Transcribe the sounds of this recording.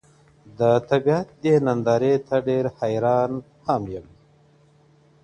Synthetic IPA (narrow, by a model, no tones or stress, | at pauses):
d̪ət̪abiat̪̚d̪enand̪ɑːɾet̪ʰaɖeɾhajɾɑːn | hamjəm